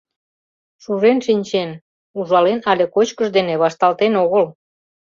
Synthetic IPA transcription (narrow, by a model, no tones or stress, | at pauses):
ʃuʒenʃinʲt͡ɕen | uʒɑlenɑlʲekot͡ɕkəʃd̪eneβɑʃt̪ɑlt̪enoɣəl